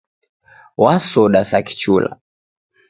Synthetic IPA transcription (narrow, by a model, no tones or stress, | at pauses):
wasɔɗasaki̥t͡ʃula̰